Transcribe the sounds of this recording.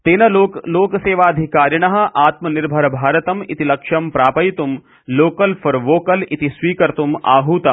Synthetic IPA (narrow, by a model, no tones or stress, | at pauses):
t̪eːnɐloloːkɐseːʋaːɐd̪ʱikaːɾjɐɳɐɦɐ̆ʔaːt̪mɐniɾbʱɐɾɐbʱaːɾɐt̪ɐmḭt̪ilɐkʂɐmpɾaːpɐjt̪um | loːkɐlfʰɐɾʋoːkɐlit̪isʋiːkɐɾt̪uma̰ːɦuːt̪ɐm